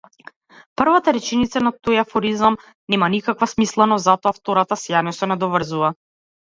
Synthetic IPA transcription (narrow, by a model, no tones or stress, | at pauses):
pr̩vat̪aɾɛt͡ʃɛnit̪sanat̪ojafɔɾizam | nɛmanikakvasmislˠɛnɔzat̪ɔaft̪ɔɾat̪asjanɔsɛnɛd̪ɔvr̩zuva